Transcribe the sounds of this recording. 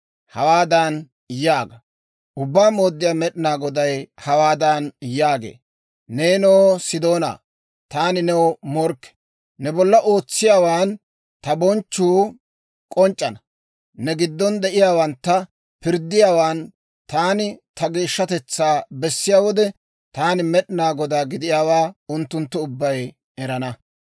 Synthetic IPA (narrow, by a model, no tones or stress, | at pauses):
hɐwaːd̪an | jaːɡɐ | ʔʊbːaːmoːd̪ːɪjaːmɛɗɪnaːɡɔd̪ɐjhɐwaːd̪anjaːɡḛː | neːnɛwɔsɪd̪o̞ːna̰ː | t̪aːnɪnɛwɔmɔɾkːɛ̥ | nɛbɔlːɐʔoːt͡sːɪjaːwaːn | t̪ɐbɔnt͡ʃːuː | kʼɔnt͡ʃʼːɐnɐ | nɛɡɪd̪ːɔnd̪ɛʔɪjaːwɐnt̪ːɐ | pɪɾd̪ːɪjaːwaːn | t̪aːnɪt̪ɐɡiːʃːɐt̪ɛt͡sːaːbɛsːɪjaːwɔd̪ɛ | t̪aːnɪmɛɗɪnaːɡɔd̪aːɡɪd̪ɪjaːwaːʊnt̪ːʊnt̪ːʊʊbːɐj | ɛɾɐnɐ